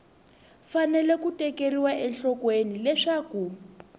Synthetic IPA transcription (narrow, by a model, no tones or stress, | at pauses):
fanɛlɛkutɛkeɾiwaʔɛɬɔkwenilɛʂaku